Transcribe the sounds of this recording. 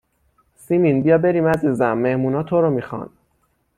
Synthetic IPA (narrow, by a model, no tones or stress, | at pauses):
simiːnbijɒːbe̞ɾiːmæziːzæmːehmuːnɒːt̪ʰoɾɔmixɒ̰n